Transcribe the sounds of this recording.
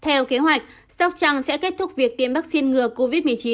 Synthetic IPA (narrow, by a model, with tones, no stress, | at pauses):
t̪ʰɛ˧wke˨˦ɦwa˨˩jk̟̚ | sa˦˥k͡p̚t͡ɕa˧ŋsɛ̰˧˥ke˦˥t̚t̪ʰʊ˦˥k͡p̚vi˨˩ək̚t̪i˨˩əmɓaː˦˥k̚si˧nŋɨ˨˩əko˧vi˦˥t̚mɨ˨˩ət͡ɕi˨˦n